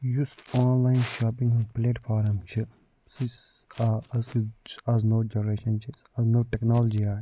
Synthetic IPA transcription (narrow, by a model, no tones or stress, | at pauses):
jusaːnlaːɪnʃaːpĩŋɡũnpleːʈfʰaːɾɐmt͡ʃʰi | sisaɐzt͡ʃaznoːd͡ʒɐnəɾeːʃɐnt͡ʃʰi | aznoːʈɛknaːləd͡ʒiaː